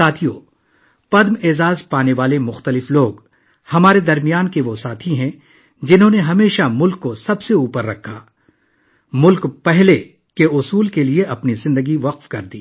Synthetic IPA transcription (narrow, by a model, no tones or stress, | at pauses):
aːt̪ʰijo | pɐd̪meːzaːzpaːneʋaːlemʊxt̪əlɪfloːɡ | hɐmaːɾed̪ɐɾmijaːnkeʋosaːt̪ʰiɦɛ̃ | d͡ʒɪnɦõneɦɐmeːʃamʊlkːosɐbseuːpəɾːɐkʰːaː | mʊlkpɛɦle | keʊsuːlkelieʔɐpnizɪ̃nd̪əɡiʋɐqfkɐɾd̪iː